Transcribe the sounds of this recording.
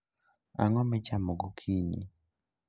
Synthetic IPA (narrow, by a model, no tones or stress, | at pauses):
a̰ŋɔmɪt͡ʃamɔɡokʰiɲḭ